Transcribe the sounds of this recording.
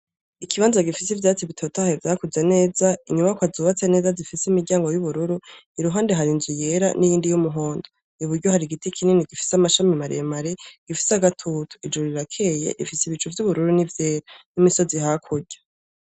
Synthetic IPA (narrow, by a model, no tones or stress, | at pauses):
ikʰiβaːnzaɡifisivjaːt͡siβitʰo̞taevjaːkuze̞ne̞ːzaiɲumakwazuːβat͡se̞ne̞ːzazifisimiɾɟaːŋɡo̞juβuɾuɾu | iɾuɦaːndeɦaɾinzuje̞ɾa̰nijiːndijumuɦo̞ːndo | uβuɾɟohaɾiɡitikʰininiɡifi̥samaʃamimaɾḛmaɾeɡ̥ifi̥saɡatʰutu̥id͡ʒuɾiɾakʰe̞jḛɾifisiβit͡ʃuvjuβuɾuɾunivjeːɾanimiso̞ziɦakʰuɾɟ̥ḁ